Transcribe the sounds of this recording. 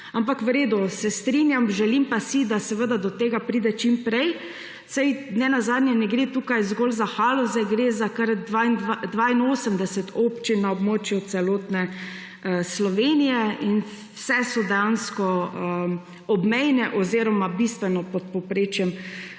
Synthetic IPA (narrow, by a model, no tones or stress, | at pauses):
ampakʋɾeːd̪ʊsɛst̪ɾinjamʒɛlimpasid̪asɛʋəd̪ad̪ɔt̪eːɡapɾiːd̪ɛt͡ʃimpɾɛj | sɛjnɛnazaːd̪nʲjɛnɛɡɾet̪uːkajzɡoːlzaxalɔzɛɡɾezakaɾd̪ʋand̪d̪ʋaːinoːsəmd̪ɛsɛt̪ʰoːpt͡ʃinːaɔbmoːt͡ʃjut̪sɛloːt̪nɛ | əslɔʋeːnijɛin | wsɛsɔd̪ɛjanskɔə | ɔbmɛjnɛʔɔziːɾɔmabist̪ʋɛnɔpɔt̪̚pɔpɾet͡ʃjɛm